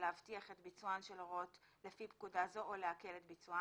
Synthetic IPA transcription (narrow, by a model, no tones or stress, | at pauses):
leavtiaχe̞tbit͡suanʃelʁotlefipkudazo̞ʔoleake̞le̞tbit͡sua